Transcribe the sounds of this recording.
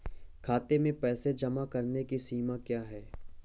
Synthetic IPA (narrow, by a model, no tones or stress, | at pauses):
kʰaːt̪emẽpɛːsed͡ʒɐmakɐɾnekisiːmakjaːɦɛː